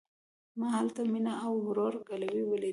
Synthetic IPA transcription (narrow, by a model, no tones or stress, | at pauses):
maɦalt̪aminaːwhʊɾoɾɡalawiwəle